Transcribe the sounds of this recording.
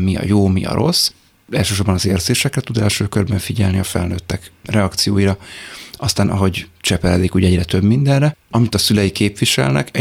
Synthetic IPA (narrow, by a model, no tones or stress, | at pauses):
miɒ̰joːmiɒ̰ɾo̞̰s | ɛlʃøːʃo̞rbɒnɒzeːrzeːʃɛkrɛt̪ud̪ɛlʃøːkørbɛɱfiɟɛlniɒfɛ̰lnøːt̪ːɛkrɛɒkt̪sijoːjiɾɒɒst̪aːnʔɒ̰ɦo̞ɟt͡ʃɛpɛɾɛd̪ikuːɟɛɟrɛt̪ø̞bmind̪ɛnːɛɒmit̪ɒsylɛjikeːpʋiʃɛ̰lnɛ̰kɛ